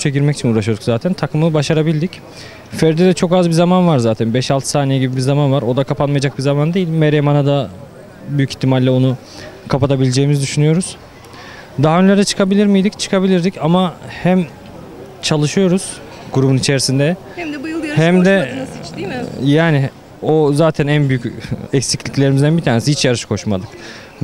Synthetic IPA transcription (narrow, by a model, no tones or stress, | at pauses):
t͡ʃʰeɟiɾmɛcʰit͡ʃʰinuːɾaʃɯjo̞d̪ukzaːt̪ʰænt̪ʰakʰɯmɯbaʃaɾabilʲd̪ic | fɛɾd̪ɛd̪ɛt͡ʃʰo̞kazbizamanvaɾzaːt̪ʰænbɛʃalˠt̪ʰɯsaːnejiɟibibiɾzamanvaɾo̞d̪akʰapʰanmajad͡ʒak̚bizamand̪e̞jilʲmeɾjemanad̪a | byjyci̥t̪ʰːimalʲːɛo̞nu | kʰapat̪ʰabilʲed͡ʒeːmizd̪yʃynyjo̞ɾuz̥ | d̪aɦaønlʲeɾd̪ɛt͡ʃʰɯ̥kʰabilʲiɾmijd̪ict͡ʃʰɯ̥kʰabilʲiɾd̪icamahæm | t͡ʃʰalˠɯʃɯjo̞ɾuz̥ | ɡuɾubunit͡ʃʰe̞ɾisind̪ɛ | hæmd̪ɛ | jaːnɪ | ozaːt̪ʰænænbyjycɛcsiclʲiclʲe̞ɾimizd̪ænbit̪ʰaːnesiit͡ʃjaɾɯʃkʰo̞ʃmad̪ɯk